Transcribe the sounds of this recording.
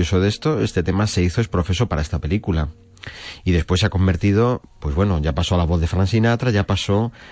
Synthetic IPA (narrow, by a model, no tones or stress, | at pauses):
osoðe̞st̪o̞e̞st̪e̞t̪e̞mase̞iθo̞espɾo̞θe̞so̞paɾae̞st̪ape̞likula | iðe̞spwe̞sːeako̞mbe̞ɾt̪ið̞o̞pwe̞zβwe̞noʝapasoalaβ̞oððefɾansinat̪ɾaʝapaso̞